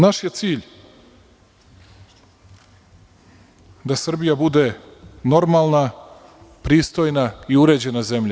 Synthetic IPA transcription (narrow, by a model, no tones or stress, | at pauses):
naʃje̞t̪siːʎ | d̪asr̩bijabud̪e̞no̞ɾmalˠna | pɾiːst̪o̞jnaiuɾe̞ːd͡ʑe̞naze̞mʎa